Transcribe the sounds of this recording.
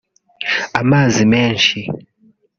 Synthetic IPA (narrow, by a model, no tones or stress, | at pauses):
amazimɛnʃi